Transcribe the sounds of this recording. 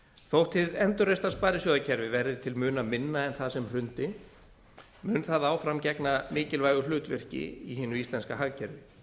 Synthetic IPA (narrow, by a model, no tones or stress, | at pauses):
θowht̪ʰɪðɛnt̪ʏɾrest̪aspaːɾɪsjɔðacʰɛɾvɪvɛɾðɪt̪ʰɪlmʏːnamɪnːaɛnθaðsɛmr̥ʏnt̪ɪ | mʏːnθaðaːwfɾamcɛknamɪːcɪlvajɣʏlʏːt̪vɛr̥cɪ̰iɦɪːnʏist̪lɛnskaɦaɣcʰɛɾvɪ